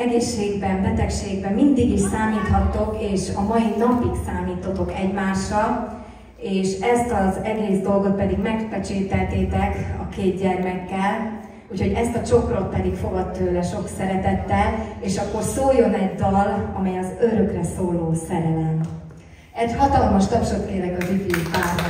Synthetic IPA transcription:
ɛɡeːʃːeːɡbɛmbɛt̪ɛkʃeːɡbɛmːind̪iɡiʃsaːmiːt̪hɒt̪ːo̞keːʃɒmɒjinɒpiksaːmiːt̪ːot̪o̞kɛɟmaːʃːɒl | eːʃɛst̪ɒzɛɡeːzd̪o̞lɡo̞t̪̚pɛd̪iɡmɛkpɛt͡ʃeːt̪ɛlt̪eːt̪ɛkɒkeːd̪ɟɛrmɛkːɛl | ucho̞ɟɛst̪ɒt͡ʃo̞kro̞t̪̚pɛd̪ikfo̞ɡɒt̪ːøːlɛʃo̞ksɛɾɛt̪ɛt̪ːɛleːʃɒkːo̞rsoːjo̞nɛɟd̪ɒlɒmɛjɒzøɾø̞krɛsoːloːsɛɾɛlɛn | ɛɟhɒt̪ɒlmɒʃt̪ɒpʃot̪t̪eːlɛɡɒzyvipaːrt̪

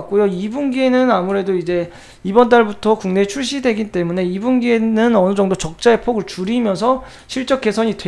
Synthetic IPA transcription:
k͈ojoibunɡie̞nɯnamuɾe̞doid͡ʑe̞ | ibʌnt̬͈aɭbutʰʌkuŋne̞t͡ɕʰuɭɕ͈idwe̞ɡint͈e̞mune̞ibunɡienɯnʌnɯd͡ʑʌŋdot͡ɕʌk̚t͡ɕ͈ae̞pʰoɡɯɭt͡ɕuɾimjʌnsʰʌ | ɕʰiɭt͡ɕ͈ʌk͈e̞sʰʌɲid

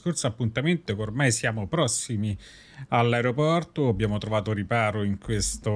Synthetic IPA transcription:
skorsoapːunt̪ament̪okormajsjaːmopɾɔsːimi | alːaeɾopɔrt̪oabːjaːmot̪ɾovaːt̪oɾipaːɾoiŋkwest̪o

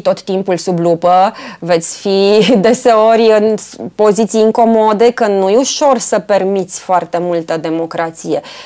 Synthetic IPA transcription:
t̪o̞t̪ːimpulsublupəve̞t̪sʲfid̪e̞se̞o̞rʲjɨnpo̞zit̪sijɨŋko̞mo̞d̪e̞kənujuʃo̞rsəpe̞rmit̪sʲfoart̪e̞mult̪əd̪e̞mo̞kɾat̪sije̞

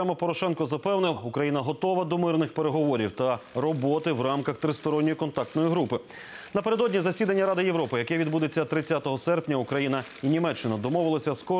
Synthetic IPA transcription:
ɛmɛpɔɾɔʃɛnkɔzɐpɛwnɪwukɾɐjinɐɦɔt̪ɔʋɐd̪ɔmɪrnɪxpeɾeɦɔʋɔɾʲiwt̪ɐɾɔbɔt̪ɪwɾɑmkɐxt̪ɾɪst̪ɔɾɔnʲːɔjikɔnt̪ɑk̚t̪nɔjiɦɾupɪ | nɐpe̞ɾed̪ɔdʲnʲizɐsʲid̪ɐnʲːɐɾɑd̪ɪjewɾɔpɪjɐkɛʋʲid̪bud̪et͡sʲːɐt̪ɾɪt͡sʲːat̪ɔɦɔsɛrpnʲɐukɾɐjinɐ | inʲimɛt͡ʃːɪnɐd̪ɔmɔʋɪlˠɐsʲɐskɔ

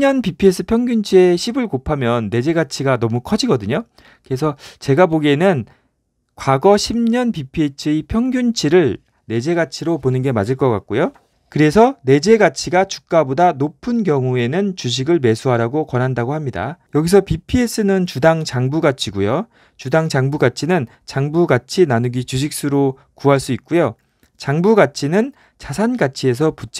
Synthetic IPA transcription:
ɲʌnpipʰies͈ʰɯpʰjʌŋɡjunt͡ɕʰieɕʰibɯɭkopʰamjʌnːe̞d͡ʑe̞ɡat͡ɕʰiɡanʌmukʰʌd͡ʑiɡʌdɯɲo | kɯɾe̞s̬ʰʌt͡ɕe̞ɡaboɡenɯn | kwaɡʌɕʰimɲʌnpipʰiet͡ɕʰɯipʰjʌŋɡjunt͡ɕʰiɾɯɭ | ne̞d͡ʑe̞ɡat͡ɕʰiɾoponɯnɡe̞mad͡ʑʰɯɭk͈ʌk͈a̰k̚k͈ojo | kɯɾe̞sʰʌne̞d͡ʑe̞ɡat͡ɕʰiɡat͡ɕu̥k̚k͈abodanopʰɯnk̬jʌŋue̞nɯnt͡ɕuɕ̬ʰiɡɯɭme̞sʰuɦaɾaɡokwʌnɦandaɡohamɲida̰jʌɡis̬ʰʌpipʰies͈ɯnɯnt͡ɕudaŋt͡ɕaŋbuɡat͡ɕʰiɡujo | t͡ɕudaŋd͡ʑaŋbuɡat͡ɕʰinɯn | t͡ɕaŋbuɡat͡ɕʰinanuɡit͡ɕuɕ̬ʰik̚s͈uɾo | kuɦaɭs͈uit̚k͈ujo | t͡ɕaŋbuɡat͡ɕʰinɯn | t͡ɕasʰanɡat͡ɕʰie̞s̬ʰʌput͡ɕ͈

